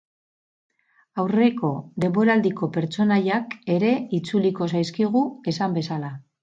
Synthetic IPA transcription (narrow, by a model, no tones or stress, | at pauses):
awre̞ko̞ðe̞mbo̞ɾald̪iko̞pe̞ɾt͡so̞najake̞ɾe̞it͡suliko̞s̬ajskiɣue̞sambe̞sala